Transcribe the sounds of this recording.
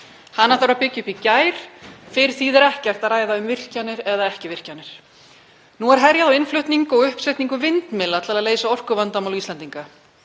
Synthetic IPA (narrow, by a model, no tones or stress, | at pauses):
hanːaθawɾapɪcːʏpicaːjɾ̥fɪɾ̥θiːðɛɾɛhcɛr̥t̪aðɾraːjðaʏmvɪr̥canːɪɾɛðaɛhcɪvɪr̥canːɪɾ̥ | nuɛɾ̥ɦɛɾjaðawɪnflʏht̪niŋkɔɣʏhpsajt̪niŋkʏvɪnt̪mɪlat̪alaðleːjsaɔr̥kʏvant̪amawlisɛnt̪iŋka